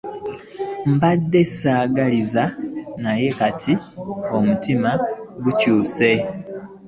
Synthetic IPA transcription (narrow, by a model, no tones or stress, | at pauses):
m̩badːe̞saːɡalizanaje̞katʰio̞mutimaɡucuːse̞